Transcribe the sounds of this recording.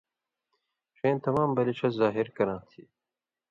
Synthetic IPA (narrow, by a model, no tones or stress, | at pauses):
ʂeːnt̪ʰɐmaːmbɐlit͡ʃʰɐzaːɦiɾkɐɾãːt̪ʰḭː